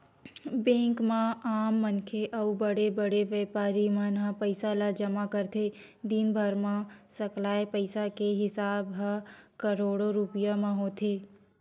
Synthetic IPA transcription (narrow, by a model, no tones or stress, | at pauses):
bẽːŋkmãaːmːɐnkʰeʔɐubɐɽebəɽeʋeːpaːɾimanãpəɪsalad͡ʒɐmakɐɾt̪ʰe | d̪iːmbʱəɾmãsɐklaːepəɪsakeɦɪsaːbɦakɐɾoːɽoɾʊpɪjamãɦoːt̪ʰeː